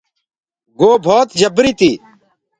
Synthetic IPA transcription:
ɡoːbʱoːt̪d͡ʒəbɾiːt̪iː

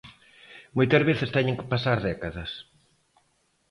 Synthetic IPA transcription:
mojt̪ɐzβeθɪst̪ɛɲeŋkɪ̥pasaɾðɛkɐðɐs

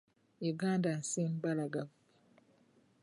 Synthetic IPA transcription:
eɡandansinbalaɡav

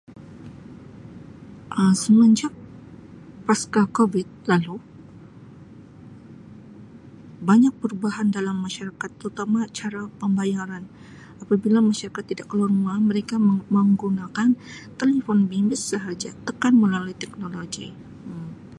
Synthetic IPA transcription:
ʔəsəməɲd͡ʒak̚ | paskakovɪt̪̚lalu | baɲak̚pəɾubaɦandalamːaʃaɾakat̪ːəɾut̪amat͡ʃaɾapəmbajaɾan | apabilamaʃaɾakat̪ːidaʔkəlarmaməɾekaməŋɡunakant̪elefɔnbimbɪssəɦad͡ʒat̪əkanməlaluit̪ɛk̚noloɡḭ

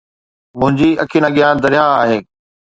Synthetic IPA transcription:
mʊ̃ɦɪ̃ɲd͡ʑiɐkʰiːnãɠjãːd̪ɐɾɪjaaːɦeː

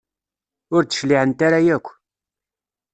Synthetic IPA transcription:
ʊɾt͡sə̥ʃliʕənt̪aɾajækʷː

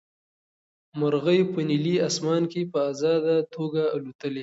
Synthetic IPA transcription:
maɾɣəjpəniliasmɑnkepəazɑd̪at̪ʰoɡaːlut̪əle

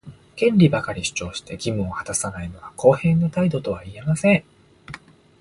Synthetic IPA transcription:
kẽ̞nɾʲibakaɾʲiɕɨ̥t͡ɕo̞ːɕi̥t̪e̞̰ɡʲimɯ̟̃õhat̪asanaino̞βakʰo̞ːhẽ̞nːot̪aid̪o̞t̪o̞βaie̞masẽ̞ŋ

